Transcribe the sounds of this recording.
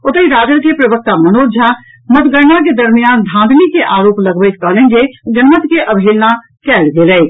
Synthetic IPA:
ʊt̪əiɾaːɡəɾkepɾɐʋək̚t̪amɐnoːɾd͡ʒʱa | mɐt̪ɡəɾnãk̬ed̪ɐɾmijaːnd̪ʱãːd̪nikeʔaːɾoːplɐɡʋəjt̪kɐɦlẽːŋɡed͡ʒɐnmət̪keʔɐbʱeːlna | kɛːɽɡeləe

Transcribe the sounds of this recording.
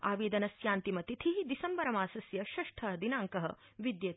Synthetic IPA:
a̰ːʋeːd̪ɐnɐsjaːnt̪imɐt̪it̪ʰiɦid̪isɐmbɐɾɐmaːsɐsjɐʃɐʂʈʰɐɐd̪inaːŋkɐɦɐ̰ | ʋid̪jɐt̪

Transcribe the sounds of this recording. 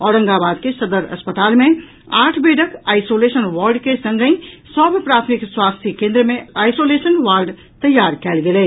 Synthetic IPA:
ɔːɾə̃ŋɡabaːd̪kesəd̪əɾɐ̰spət̪aːlmẽ | aːʈʰbeːɖəkaːɪsoːleːsənʋaːɾɖkesə̃ŋɡəĩsɔbʱpɾaːt̪ʰmikswaːst̪ʰikẽːnd̪ɾəmẽaːɪjsoleːsənʋaːɾɖ | t̪əjːaːɾkɛːlɡelɛː

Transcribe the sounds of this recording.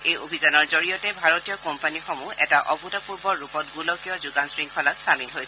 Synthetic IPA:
ejobʱizanɔɹzoɹijɔtɛbʱaɹotijɔkɔmpanixɔmuɛtaʔɔbutapuɹbɔɹːupɔtɡulɔkijɔzuɡansɹiŋkʰɔlatsamilɦojsɛ

